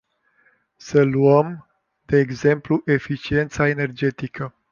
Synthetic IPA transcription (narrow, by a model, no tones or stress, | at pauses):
səluəm | d̪̥e̞ːɡze̞mpluʔe̞fit͡ʃie̞nt̪sae̞ne̞rd͡ʒe̞t̪ikʰə